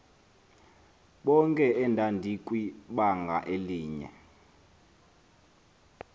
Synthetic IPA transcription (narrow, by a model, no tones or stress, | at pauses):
ɓɔŋkʼɛɛndʱandʱikʼwiɓaŋɡʱa̰ʔeliːɲɛ̰